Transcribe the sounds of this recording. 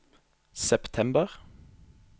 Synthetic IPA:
sɛpt̪ʰɛmbəʁ

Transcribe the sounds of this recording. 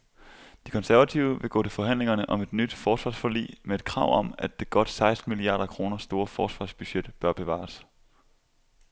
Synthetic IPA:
d̥i̥kʰɒ̽nsæɐʋæt͡sʰiʊəʋe̝ɡ̥ɔ̰ːt͡sʰe̝lfɒ̽ɦæn̰le̝ŋɐnəʔɒ̽me̝d̥nyd̥fɒːsʋɑ̈ːsfolḭːmee̝d̥̚kʰʁɑ̈ʊ̰ɒ̽mæd̥ːe̝ɡ̥ɒ̽d̥sɑ̈ɪsd̥n̩miliɑ̰̈ːɾ̥ɐkʰʁo̝ːnɐsd̥o̝ːɐfɒːsʋɑ̈ːsb̥yɕed̥b̥ɶɐb̥e̝ʋɑ̰̈ːs

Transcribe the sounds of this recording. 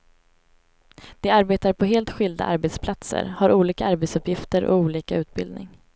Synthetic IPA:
d̪̥ɛaɾbeːt̪aɾpʰɔɦeːlt̪ɧɪld̪a̰ʔaɾbɛt̪spʰlat̪sə̰ɾhaɾʔuːliːkaaɾbɛt̪sɵpjɪft̪əɾʔɔ̰uːliːkaʉ̟ːt̪̚bɪ̰ld̪nɪ̰ŋ

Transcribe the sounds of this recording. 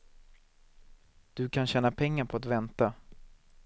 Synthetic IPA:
d̪̥ɵkʰanɕɛːnapʰɛŋːaɾpʰɔat̪vɛnt̪a

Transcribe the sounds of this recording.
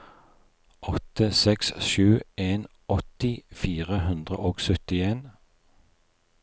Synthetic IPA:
ʔɔt̪əsɛksʃʉːʔeːn | ɔt̪ɪfiːʁəhʉnd̪ʁə̰ʔoːɡsœt̪ɪeːn

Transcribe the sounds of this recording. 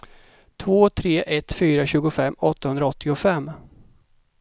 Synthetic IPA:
t̪ʰvoːt̪ʰɾeːʔɛt̪fyːɾaɕʉ̟ːɡʊfɛmːɔt̪ːahɵnd̪ɾaɔt̪ʰːɪʊfɛmː

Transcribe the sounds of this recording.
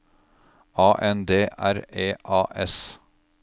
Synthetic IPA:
ɑːʔɛnd̪eːʔæɾeːʔɑːʔɛs

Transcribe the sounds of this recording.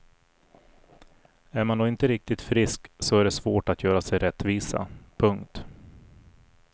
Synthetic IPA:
æɾmand̪oːɪnt̪əɾɪk̚t̪ɪt̪fɾɪsksɔæɖɛsvoːʈat̪ʰjœːɾasɛjɾɛt̪ːviːsa̰pʰɵŋkt̪

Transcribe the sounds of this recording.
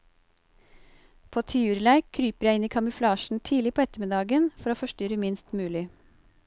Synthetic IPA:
pʰoːt̪ʰɪʉːɾlæɪkʰːɾyːpəɾjæɪɪniːkʰɑmɪflɑːʃn̩t̪ʰiːlɪpʰoːɛt̪əmɪd̪ɑːɡənfɔɾoːfɔʃtʏɾəmɪnst̪mʉːlɪ

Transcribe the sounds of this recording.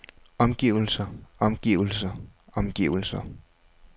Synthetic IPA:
ɒ̽mɡ̥iʊl̩sɐɒ̽mɡ̥iʊl̩sɐɒ̽mɡ̥iʊl̩sɐ

